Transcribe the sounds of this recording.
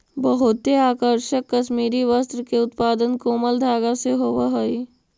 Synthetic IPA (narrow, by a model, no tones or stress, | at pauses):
bəɦʊt̪eaːkəɾʃəkːəʃmiːɾiʋəst̪ɾəkeʊt̪paːd̪ənkoːməld̪ʱaːɡaseɦoːʋaɦoi